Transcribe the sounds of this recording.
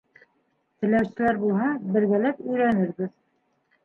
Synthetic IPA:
t̪ɘ̆læwsɘ̆læɾbulˠɦɑbɘ̆ɾɡælæpɵ̆jɾænɘɾβɘð

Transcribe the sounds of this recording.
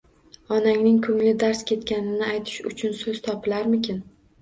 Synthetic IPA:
ɒnaŋnɪŋkʰʊmlɪd̪aɾskʲʰe̞t̪kʲanɪnɪajt̪ʰɪ̥ʃʊ̰t͡ʃʰʊnsɵz̥t̪ʰɒpʰɪlaɾmɪkʲɪn

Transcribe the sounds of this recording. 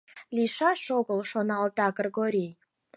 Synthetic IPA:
lʲiʃɑʃoɣəlˠʃonɑld̪ɑɡrɡoɾʲij

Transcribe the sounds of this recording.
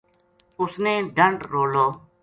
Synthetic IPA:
ʊsnẽːɖʱəɳɖɾoːloː

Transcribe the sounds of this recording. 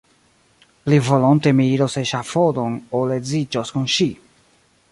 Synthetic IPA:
livɔlɔnt̪emiiɾoseʃafɔd̪oŋoledzid͡ʒɔskunʃi

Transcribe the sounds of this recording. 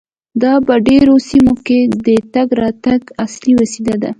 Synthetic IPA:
d̪ɑpəɖeɾosimoked̪ət̪aɡɾɑt̪aɡasliwəsid̪ad̪a

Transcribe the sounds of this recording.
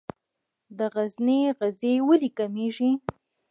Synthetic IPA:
d̪əɣazneɣazewəlikameʒi

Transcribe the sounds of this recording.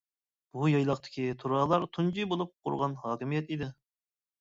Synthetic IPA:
b̥ujɑjlˠɑqt̪ʰɪ̥kʲʰit̪ʰuɾɑːlˠɑɾt̪ʰund͡ʒibolˠup̚qʰʊ̰ɾʁɑnhɑːkʲimijɛt̪id̪ɪ

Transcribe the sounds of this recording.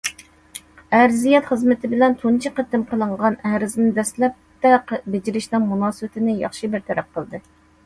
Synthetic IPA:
æɾzijɛt̪χəzmɪt̪ʰɪbɪlɛnt̪ʰunt͡ʃʰiqət̪ːɪmqʰəlˠɨɴʁɑnæɾɪznɪd̪ɛslɛp̚t̪ɛbɪd͡ʒiɾɪʃnɨŋmunɑːsɨwɪt̪ʰɪnɪjɑ̰χʃibɪɾt̪ʰɛɾɛp̚qʰəlˠd̪ɨ

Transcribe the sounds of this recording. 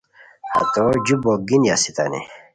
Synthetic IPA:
ha̰t̪od͡ʑuboɡinjasit̪a̰nḭ

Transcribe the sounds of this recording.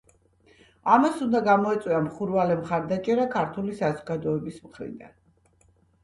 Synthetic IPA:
amasund̪aɡamɔɛt̪sʼwiamχuɾvalɛmχaɾd̪at͡ʃʼɛɾakʰaɾt̪ʰulisazɔɡad̪ɔɛbismχɾḭd̪a̰n

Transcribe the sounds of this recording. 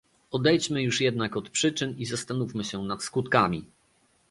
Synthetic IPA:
ɔd̪ɛjt͡ɕmɘjuʂjɛd̪nakɔt̪pʂɘt͡ʂɘnizast̪anufmɘɕɛnat̪skut̪kamʲi

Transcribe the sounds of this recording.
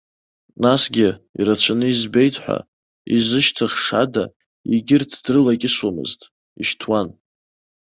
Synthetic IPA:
nasɡʲɪḭɾat͡ɕʷʰanɨizbe̞jtʰʼħʷa̰ | izɨʃtʰɨχʂa̰da | iɡʲɪrtʰd̥rɨlakʲʼɪswamɨ̰ztʼ | iʃtʰwan

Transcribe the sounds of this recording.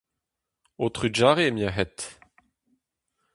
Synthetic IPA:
ot̪ʁyd͡ʒaːʁemjaɦɛt̪

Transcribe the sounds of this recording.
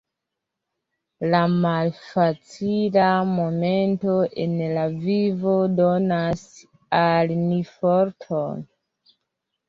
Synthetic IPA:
lamalfat͡silaamo̞me̞nto̞ʔenlavivo̞donas | alnifoɾtʰon

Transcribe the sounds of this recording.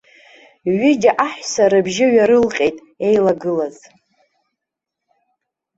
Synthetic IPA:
ɥɪd͡ʒʲaʔaħʷᶣsaɾɨbʒɪɥaɾɨlqʲʼe̞jtʼ | e̞jlaɡɨlaz̥

